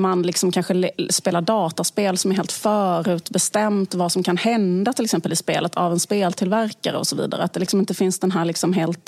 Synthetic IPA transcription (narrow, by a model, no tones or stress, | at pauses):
manlɪksɔmkʰanɧəspeːlaɖɑːt̪aspeːlsɔmæɾɦeːlt̪fœːɾʉ̟ːt̪bɛst̪ɛmt̪vasɔmkʰanhɛnd̪at̪ʰɪlɛksɛmpəlɪspḛːlət̪ʰavɛnspeːlt̪ʰɪlvæɾka̰ɾə̰ɔ̰sɔvḭːd̪a̰ɾə̰at̪̚d̪ɛlɪksɔmɪnt̪əfɪnsd̪ɛnɦæːɾɭɪksɔmɦeːlt̪